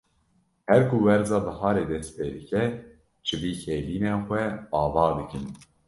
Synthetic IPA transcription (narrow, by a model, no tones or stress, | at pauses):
hɛɾkʰuwɛɾzɑːbɨhɑːɾeːd̪ɛst̪̚peːd̪ɨkɛ | t͡ʃʰɨviːkʰeːviːneːxʷɛɑːvɑːd̪ɨkɨn